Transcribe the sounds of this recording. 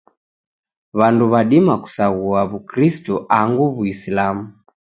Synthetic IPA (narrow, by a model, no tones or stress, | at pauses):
βanduβaɗimaku̥saɣuaβukɾistɔʔaŋɡuβuislamu